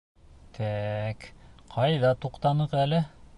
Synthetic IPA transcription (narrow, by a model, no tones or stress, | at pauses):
t̪ʰækqʰɑjðɑt̪uqt̪ɑnɤqælɘ